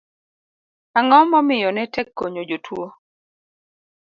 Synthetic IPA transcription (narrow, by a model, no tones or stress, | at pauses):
aŋɔmːɔmɪjɔnɛtɛkːoɲod͡ʒotʰwo